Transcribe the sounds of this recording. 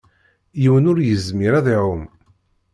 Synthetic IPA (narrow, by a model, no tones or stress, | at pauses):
jiwənʊɾjəzmiɾaðiʕʊm